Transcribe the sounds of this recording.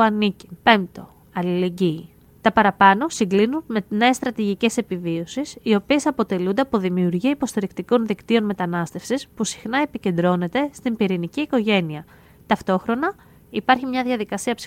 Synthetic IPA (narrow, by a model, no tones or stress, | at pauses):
ɐnici̥pe̞mt̪o̞ | ɐlile̞ɟiː | t̪ɐpɐɾɐpɐno̞siŋɡlinunmene̞ːst̪ɾɐt̪iʝice̞se̞pivio̞sisio̞pie̞sɐpo̞t̪e̞lund̪e̞ɐpo̞ðimiuɾʝiɐipo̞st̪iɾikt̪iko̞nðikt̪io̞nme̞t̪ɐnɐst̪e̞fsispusi̥xnɐe̞pice̞nd̪ɾo̞ne̞t̪e̞st̪impiɾiniciːko̞ʝe̞niɐ | t̪ɐft̪o̞xɾo̞nɐ | ipɐɾçimɲɐðʝɐðikɐsiɐps